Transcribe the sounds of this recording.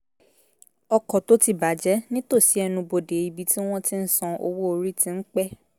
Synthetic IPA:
ɔ˧kɔ˨to˦ti˨ba˨˦d͡ʒɛ˨˦nĩ˦to˦˨si˨˦ɛ˧nũ˧bo˧de˨i˨˧bi˨˦ti˦w̃ɔ̃˦ti˦n̩˦sɔ̃˧o̰˧wo˦o˧ɾi˦tĩ˦n̩˦k͡pɛ˦

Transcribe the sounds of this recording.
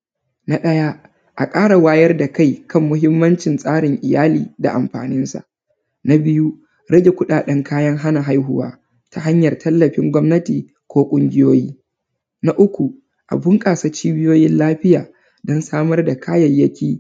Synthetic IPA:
na˦ɗɐ˦jaː˦ | ʔa̰˨kʼaː˦ɽa˨waː˦jɐ˦rda˨ka˦˨jkɐ˦˨mːʊ˦ɦɪ˦mːɐ˦nt͡ʃɪ˨nsʼaː˦ɽɪ˨ŋʔɪ˨jaː˦liː˨da̰˨ʔa˨mɸa̰ː˨nɪ˦nsa̰˨ʔ | na˦bɪ˦ju˦ | ɽɐ˦ɡʲe˨kʷʊ˦ɗaː˨ɗɐ˦ŋkaː˦jɐ˦ŋɦa˦na˨ɦa˦jɦʊ˦wa̰ː˦ | tʰa˦ɦa˦ɲjɐ˨rtʰɐ˦lːɐ˨ɸɪ˦ŋɡʷɔ˦mnɐ˦tiː˨ | kʷoː˦kʷʼʊ˦ŋɡʲɪ˦joː˦jiː˦ | na˦ʔʊ˦kʷu˨ | ʔa̰˨bʊ˦ŋkʼaː˨sa˦t͡ʃiː˦bɪ˦joː˦jɪ˦nlaː˦ɸɪ˦jaː˨ | dɔ˦nsaː˦mɐ˦rda˨kʰaː˦jɐ˨jːɐ˦kʲʰiː˦

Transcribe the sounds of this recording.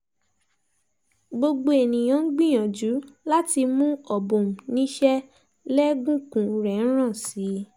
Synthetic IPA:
ɡ͡bo˧ɡ͡bo˧e˨nĩ˨j̃ã˨˦ɡ͡bĩ˦j̃ã˨d͡ʒu˨˦la˦ti˧mũ˦ɔ˨bo˨m̩˨nĩ˦ʃɛ˦ | lɛ˦ɡũ˦kũ˨ɾɛ˨˦n̩˦ɾ̃ã˦˨si˨˦

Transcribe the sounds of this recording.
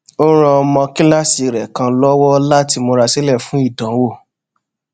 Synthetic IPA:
o˦ɾ̃ɔ̃˧ɔ˧mɔ̃˧ki˦la˦si˨˧ɾɛ˨kã˧lɔ˦wɔ˦la˦˨ti˧mo˧ɾa˧si˦lɛ˦˨fũ˦i˦˨dã˨˦wo˦˨

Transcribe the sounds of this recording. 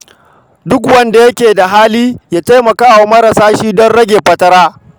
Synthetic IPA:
dʊ˦kwɐ˦nda˨jɐ˦kʲeː˨da˨ɦaː˦liː˦jaː˦ta˦jmɐ˨kaː˦ʔa˨wo˨˦mɐ˦ɾa˨saː˦ʃiː˦dɔ˦nɽɐ˦ɡʲeː˨ɸɐ˦tɐ˦ɾaː˦

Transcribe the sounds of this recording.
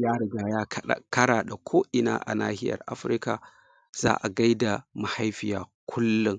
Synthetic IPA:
jaː˦ɾɪ˨ɡaː˦jaː˦˨kɐ˦ɾaː˨ɗa˨kʷʰoː˦ʔɪ˨na̰ː˦ʔa̰˨na̰ː˦hɪ˦jɐ̰˨rʔa̰˦ɸɪ˦ɾka˨ | z̥a̰ː˦ʔa˨ɡa˦jda˨ma˨ha˦jɸɪ˨jaː˦kʷʰʊ˦lːʊ˦ŋ

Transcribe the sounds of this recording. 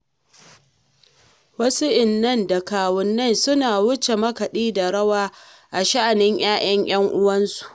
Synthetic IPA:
wɐ˦sʊ˦ʔɪ˨nːɐ˦nda˨kaː˨wʊ˨nːɐ˦nsʊ˦naː˨wʊ˦t͡ʃe˨mɐ˦kɐ˨ɗiː˦da˨ɽɐ˦waː˦ | ʔa˨ʃa˦ʔa˨nɪ˦ɲj̰aː˦ʔɐ˦ɲj̰ɐ˦ŋʔʊ˦wɐ˦nsu̥˨ʔ

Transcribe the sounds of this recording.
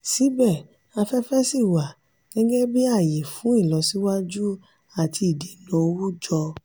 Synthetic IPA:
si˨˦bɛ˦˨ | a˧fɛ˦fɛ˦si˦˨wa˨ | ɡ̥ɛ˦ɡɛ˦bi˦a˦˨je˨fũ˨˦i˦˨lɔ˨˦si˦wa˦d͡ʒu˦ | a˦˨ti˧i˨di˨nɔ̃˨˦o˧wu˦d͡ʒɔ˧

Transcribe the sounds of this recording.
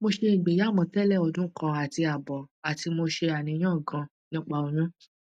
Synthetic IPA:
mo˧ʃe˧i˨ɡ͡be˨ja˨˦˨mɔ̃˨˧tɛ˦lɛ˦˨ɔ˧dũ˦kã˧a˨ti˧a˨bɔ˨a˨ti˧mo˧ʃe˧a˨nĩ˧˦ã˦˨ɡã˧ | nĩ˧˦k͡pa˧o˧jũ˦

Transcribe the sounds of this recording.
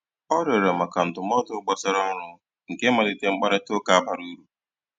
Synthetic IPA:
ɔ˦ɾɔ˨ɾe˨ma˨ka˨n̩˨tʊ˨m˦ɔ˦tʊ˦ɡ͡bɔ˨sɔ˦ɾɔ˦ɾʊ˦ | ŋ̩˨ke˦ma˨li˨te˦ŋ͡m̩˦k͡pa˦ɾa˦tʊ˦ka˨a˦ba˨ɾu˦ɾu˨

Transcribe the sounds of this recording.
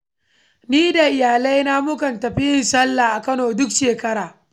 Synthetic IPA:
niː˦da˨ʔɪ˨jaː˨la˦jna˦mʊ˦kɐ˨ntɐ˨ɸɪ˦jɪ˨nsɐ˦lːaː˨ʔa˨kɐ˦noː˨dʊ˦kʃeː˨kɐ˦ɽaː˨

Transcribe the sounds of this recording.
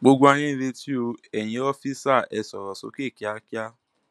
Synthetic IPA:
ɡ͡bo˧ɡo˧˦a˧j̃ĩ˦˨˧le˧ti˦o˧ɛ˨j̃ĩ˧˦ɔ˦fi˦sa˦˨ɛ˧sɔ̰˨ɾɔ˨so̰˨˦ke˦˨ki˨˦a˧˦ki˦a˦

